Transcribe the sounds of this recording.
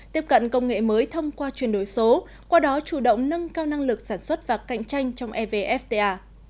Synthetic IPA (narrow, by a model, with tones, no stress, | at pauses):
t̪i˦˥əp̚kə̰˧˨ŋkə˧wŋ͡mŋḛ˧˨məː˨˦jt̪ʰə˧wŋ͡mkwaː˧t͡ɕwi˨˩ənɗo˨˩jso˨˦ | kwaː˧ɗɔ˨˦t͡ɕu˧˩ɗə̰˧˨wŋ͡mnə˧nkaː˧wna˧ŋlɨ˨˩k̚saː˧˩nswə˦˥t̚vaː˨˩ka̰˧˨jŋ̟t͡ɕa˧jŋ̟t͡ɕɔ˧wŋ͡mʔɛ˧ve˧ʔɛ˦˥ft̪e˧ʔaː˧